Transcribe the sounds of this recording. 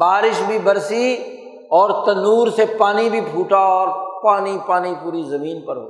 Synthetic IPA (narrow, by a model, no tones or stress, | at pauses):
baːɾɪʃbʱibɐɾsi | ɔːɾt̪ɐnuːɾsepaːnibʱipʰuːʈaɔːɾpaːnipaːnipuːɾizɐmiːnpɐɾɦo̰ː